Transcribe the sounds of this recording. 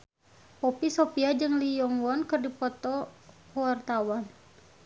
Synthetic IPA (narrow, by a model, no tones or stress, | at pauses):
pɔpisɔpiad͡ʒɨŋlijɔŋwɔnkɨrdipɔt̪ɔwart̪awan